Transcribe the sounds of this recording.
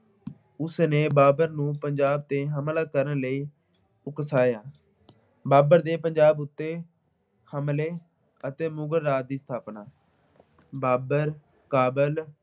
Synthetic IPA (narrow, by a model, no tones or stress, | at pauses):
ʊsneːbaːbəɾnũːpəɲd͡ʒaːb̚t̪eːɦəmlaːkəɾənləiː | ʊkəsaːjaː | baːbəɾd̪eːpəɲd͡ʒaːbʊt̪ːeː | həmleː | ət̪eːmʊɡəɾːaːd̪iːst̪ʰaːpnaː | baːbəɾ | kaːbəl